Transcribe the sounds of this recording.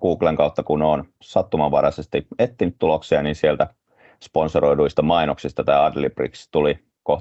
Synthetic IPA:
ɡ̥uːkleŋkɑut̪ːɑkunon | sɑt̪ːumɑʋɑɾɑsest̪iet̪ːinyt̪t̪uloksiɑninsielt̪æ | sponsoɾo̞jduist̪ɑmɑinoksist̪ɑt̪ɑːɑdliprḭkst̪uli | koh

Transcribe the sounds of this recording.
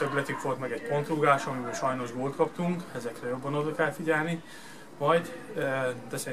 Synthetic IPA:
øɡlɛt̪ykʋo̞lt̪mɛɡɛcpo̞nt̪ruːɡaːʃɒmibɛʃɒjno̞ʒɡoːlt̪kɒpt̪uŋkɛzɛkrɛjo̞bːɒnod̪okɛlfiɟɛlni | vɒjd | d̪ɛsɛ

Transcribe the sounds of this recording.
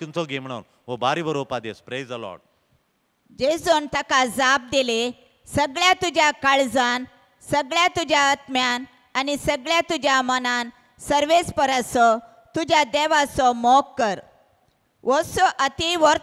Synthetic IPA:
kint͡sɔɡem̤ɳa̰n | ʋobaɾibəɾopad̪espɾejzd̪əlɔ̰ːɖ | d͡ʑed͡zont̪akad͡zab̚d̪ele | səɡɭjat̪ud͡ʑjakaɭd͡zan | səɡɭjat̪ud͡ʑjaːt̪mjan | anisəɡɭjat̪ud͡ʑjamənãn | səɾʋespəɾasɔ | t̪ud͡ʑjad̪ɛʋasɔmɔkːəɾ | ʋɔsɔʔət̪iʋɔɾ

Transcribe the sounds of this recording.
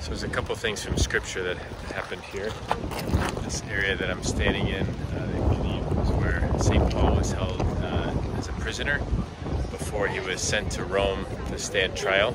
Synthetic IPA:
soʊəzɨkʰʌpl̩ˠθɪ̃ŋz̥fɹʌ̃mskɹɪp̚t͡ʃə˞ðɨt̚ | hæpɨ̃nd̚hiɹ | ðɪsɛɹiɨðɨɾãɪ̃mstæ̃ndɪ̃ŋɪ̃nðɨwidizwə˞sẽɪ̃npʰɔlˠwɪz̥hɛlˠd | ɨzɨpʰɹ̥ɪzɨ̃nə˞ | b̥əfɔɹiwʌz̥sɛ̃ntʰɨɹõʊ̃m | tʰɨsteɪɨ̃ntʰɹ̥aɪl̩ˠ

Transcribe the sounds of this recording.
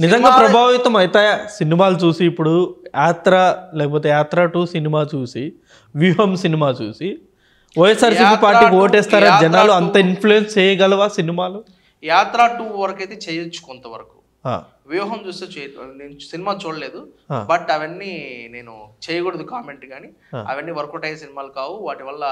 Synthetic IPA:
nid͡ʒɐŋɡaːpɾɐbʱaːʋit̪ɐmɐjt̪aːjaːsinimaːlut͡ʃuːsiːpːuɽujaːt̪ɾalɛːkɐp̬oːt̪̬eːjaːt̪ɾaːʈuːsinimaːt͡ʃuːsi | ʋjuːɦɐmsinimaːt͡ʃṵːsi | ʋɐjesaːɾsiːpiːpaːɾiːkio̞ːʈɛːst̪aːɾaːd͡ʒɐnaːluɐnnt̪ɐinpʰlujenst͡ʃɛːjɐɡɐlɐʋaːsinimaːlu | jaːt̪ɾaːʈuːʋɐɾɐkɐjt̪et͡ʃeːjɐt͡ʃːu̥kɔnt̪ɐʋɐ̰ɾɐku̥ | a̰ː | ʋjuːɦɐmt͡ʃuːst̪eːt͡ʃɛːneːnusinimaːt͡ʃuːɽɐleːd̪ua̰ːbɐʈɐʋɐnːine̞ːnut͡ʃeːjɐɡoɽɐd̪ukaːmeɳʈɡaːni | a̰ːɐ̰ʋɐnːiʋɐɾɐkuʈɐjsinimaːlukaːʋuʋaːʈiʋɐlːɐ

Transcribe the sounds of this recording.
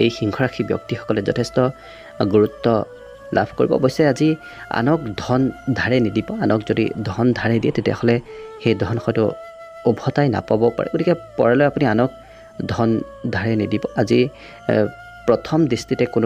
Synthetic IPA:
ejxiŋkʰɔɹaxʰibjɔ̰k̚tixɔ̥kɔlɛzɔ̰tʰɛstɔ | ɡuɹutːɔ | la̰bʱkoɹibɔ̰bojsɛazi | a̰nɔkdʱɔndʱaɹɛnidibɔanɔkzodḭdʱɔndʱaɹɛdijɛtetija̰hɔlɛxejdʱɔnxɔjtʊ | obʱɔtajna̰pabɔpa̰ɹʔɛ̰ɡotʰikɛpɔ̰ɹɛlɔjapunianɔk̚ | dʱɔn | dʱaɹɛnidibɔazi | pɹɔtʰɔmdistitɛkʊnʊ

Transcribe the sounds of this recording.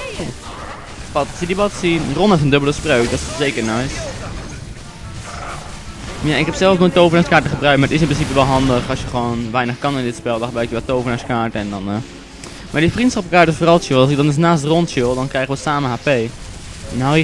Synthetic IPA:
pɑtsidibɑtsinrɔnɛfəndɵbəlˠəsproɥk̚dɔtssejkəɹnɔjs | janɪkɦɛpsɛlˠfmətowvənaːskaːɹtəχəbrœɥk̚t̚maɹətɪs̬ɪnprɪns̬ipəʋɛlˠɦɑndəχɑsjəχəʋoːnʋɛjnəχkɑnɪndɪtspɛlˠdɑχəbrœɥkjəʋɛtowvənaskaːɹtəɛndɑn | mʔaːɹdifrintsχɑpkaːɹtɪsfoːrɑlˠʃɪlˠɑls̬ɪɡ̚dɑnəs̬naːstrɔntʃɪlˠdɑnkrɛjχəʋəsaːməɦaːpej | na

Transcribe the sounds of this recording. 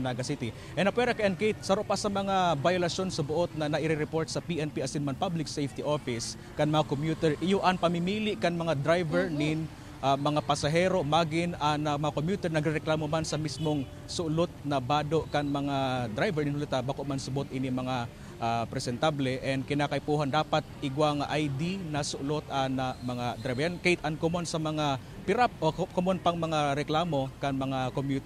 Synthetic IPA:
naɡɐsit̪ɪ | ʔɛnɐpwɛɾɐkɐʔɐnkejt̪̚sɐɾoʔpasɐmɐŋabajʊlɐsʃo̞nsɐbʊʔot̪̚nɐnɐʔɪɾɪɾɛpo̞ɹt̪̚sɐpiʔɛnpiʔɐsinmɐnpablɪk̚sɛjft̪iʔo̞fɪs | kɐŋmɐŋakomjuːt̪ɛɹʔɪjoʔɐŋpɐmɪmiːlɪʔkɐŋmɐŋad̪ɾajvɛɹnɪŋ | ʔamɐŋapɐsɐɦɛːɾo̞maːɡɪnɐŋɐmɐŋakomjuːt̪ɛɹnɐɡɾɛɾɛklaːmomansɐmismoŋ | sʊʔlot̪̚nɐbaːd̪oʔkɐŋmɐŋad̪ɾajvɛɹnɪnhʊlɪt̪abakoʔmansʊbot̪ʔinimɐŋa | ʔapɾɛsɛnt̪ablɛʔɛnd̪̚kɪnakɐjpuːɦand̪aːpat̪̚ʔɪɡwaŋʔajd̪inɐsʊʔlot̪ɐnamɐŋad̪ɾajvjankejt̪ʔɐnkomonsɐmɐŋa | pɪɾap̚ʔokomonpɐŋmɐŋaɾɛklaːmo̞kɐŋmɐŋakomjut̪

